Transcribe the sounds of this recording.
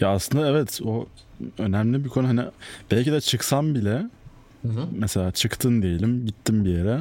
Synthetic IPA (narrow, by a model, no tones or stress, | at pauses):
jaːslˠɯnd̪aɛvɛt̪o | ø̞næmlʲibikʰo̞nuɦanḭb̥ælʲcid̪ɛt͡ʃʰɯksambilʲɛ | mɛse̞lʲaːt͡ʃʰɯkt̪ʰɯnd̪ejelʲimɟit̪ʰːimbijeɾɛ